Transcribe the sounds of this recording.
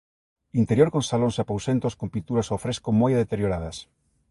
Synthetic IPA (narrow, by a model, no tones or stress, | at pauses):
int̪eɾjoɾkonsalonsapowsent̪oskompint̪uɾasofɾeskomojðet̪eɾjoɾað̞ɐs